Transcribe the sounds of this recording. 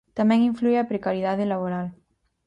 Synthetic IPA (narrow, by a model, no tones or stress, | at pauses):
t̪amɛŋiɱflueapɾekaɾjiðaðelaβ̞oɾal